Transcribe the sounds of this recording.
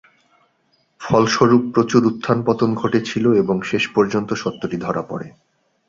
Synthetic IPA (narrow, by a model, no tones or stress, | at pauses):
fɔlʃoɾupːɾot͡ɕuɾut̪ʰːanpɔt̪onɡʱoʈet͡ɕʰiloeboŋʃeʃpɔɾd͡ʑont̪oʃɔt̪ːoʈid̪ʱɔɾapɔ̰ɾḛ